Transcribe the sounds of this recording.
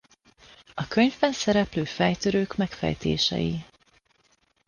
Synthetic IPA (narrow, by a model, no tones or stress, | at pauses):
ɒkø̞ɲvbɛnsɛɾɛpløːfɛjt̪øɾøːkmɛkfɛ̰jt̪ʰḛːʃɛ̰jḭ